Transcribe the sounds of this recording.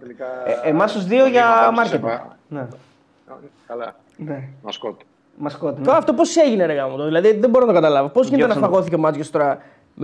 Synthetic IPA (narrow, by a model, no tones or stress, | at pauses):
eʔemɐsuzðioʝɐmɐɾcet̪ | ne | kɐlɐ | neɐskot̪ | mɐskot̪it̪oɐft̪op̬o̞se̞ʝineɾeɣɐmot̪oðilɐðiðeboɾonɐt̪okɐt̪ɐlɐvopo̞zʝint̪nɐfɐɣo̞θicemɐt͡sjost̪o̞ɾɐ